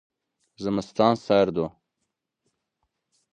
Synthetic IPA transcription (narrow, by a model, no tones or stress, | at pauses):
zəməst̪ɑːnsajɾd̪o